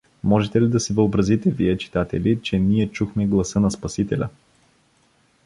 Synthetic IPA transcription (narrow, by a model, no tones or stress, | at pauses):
mɔʒɛt̪ɛlid̪ɐsɛvəobɾɐzit̪ɛviɛt͡ʃi̥t̪at̪ɛ̰lʲit͡ʃɛniɛt͡ʃuxmɛɡlˠɐsɤnɐspɐsit̪ɛlʲɐ̰